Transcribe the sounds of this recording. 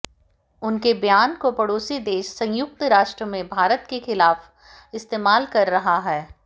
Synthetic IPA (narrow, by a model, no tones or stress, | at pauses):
ʊnkebjaːnkopɐɽoːsid̪eːʃsɐ̃jʊk̚t̪ɾaːʃʈɾəmẽbʱaːɾət̪kexɪlaːf | ɪst̪eːmaːlkɐɾːɐɦaɦɛː